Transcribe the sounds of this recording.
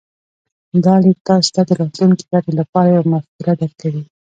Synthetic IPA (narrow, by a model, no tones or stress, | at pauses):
d̪ɑlit̪ɑst̪ad̪əɾɑt̪luŋki̥laɾelapɑɾajamaxkuɾad̪aɾkawi